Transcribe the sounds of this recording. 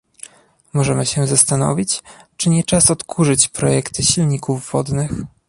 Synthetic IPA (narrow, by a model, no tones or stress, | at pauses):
mɔʐɛmɘɕɛzast̪anɔ̰vʲit͡ɕt͡ʂɘɲɛt͡ʂasɔt̪kʰuʐɘt͡ɕpɾɔjɛkt̪ɘɕilɲikuvːɔd̪nɘx